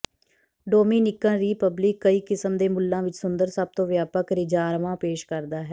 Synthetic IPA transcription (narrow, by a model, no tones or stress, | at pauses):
ɖoːmiːnɪkːãːɾiːpəblɪkːəiːkɪsəmd̪eːmʊlːãːʋɪt͡ʃsʊnd̪əɾsəb̚t̪õːʋjaːpəkɾɪd͡ʒaːɾʋãːpeːʃkəɾd̪aːɦɛː